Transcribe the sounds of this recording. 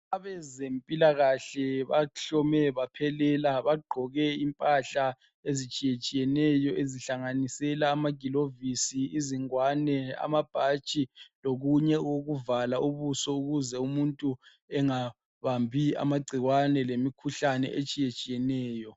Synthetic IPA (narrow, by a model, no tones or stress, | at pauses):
aβɛzempʼilaɣaɬɛβaɬɔmɛβapʰɛlɛlaβaɡ͡ǃʱɔɣɛimpʼaɬa | ezit͡ʃʼijet͡ʃʼijɛnɛjɔʔeziɬaŋanisɛlaːmaɡ̥ʱilovisiːziŋwanɛa̰mab̥ʱat͡ʃʼiloɣuɲɛɣoɣuvalaʔuβusɔuɣuzɛumuntʼu | ɛŋa | βambʱia̰maɡ͡ǀʱiɣwanɛlemikʰuɬanɛ̰ʔet͡ʃʼijet͡ʃʼijɛnɛːjɔ